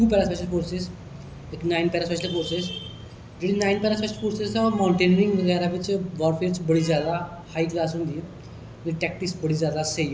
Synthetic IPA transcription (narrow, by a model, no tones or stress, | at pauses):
ʈuːpɛɾaspeɕəlfoɾses | eknainpɛɾaspeɕəlfoɾses | d͡ʑeɽĩnainpɛɾaspeɕəlfoɾsesəmawɳʈenəɾĩŋɡmeɡ̪aɾaʋit͡ɕeʋɔɾfeɾt͡sbəɽ̤iːd͡zjad̪a | haiklasund̪ije | aniʈɛk̚ʈiksbəɽ̤iːd͡zad̪asej